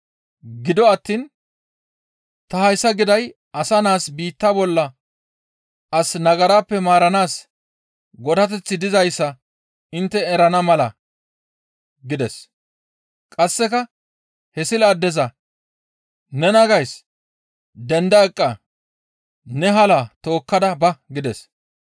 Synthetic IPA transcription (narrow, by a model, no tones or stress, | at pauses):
ɡɪd̪ɔɐt̪ːiːn | t̪ɐhɐjsːɐɡɪd̪ɐj | ɐsɐnaːsbiːt̪ːabɔlːɐ | ʔɐsnɐɡɐɾaːpːɛmaːɾɐnaːs | ɡɔd̪ɐt̪̬ɛt͡sːɪd̪ɪzɐjsːɐ | ɪnt̪ːɛɛɾɐnɐmɐlɐ | ɡɪd̪ɛs | kʼɐsːɛkɐ | hɛsɪlaːd̪ːɛzɐ | nɛnɐɡɐjs | d̪ɛnd̪ɐɛkʼːɐ | nɛɦɐlat̪o̞ːkːɐd̪ɐbɐɡɪd̪ɛs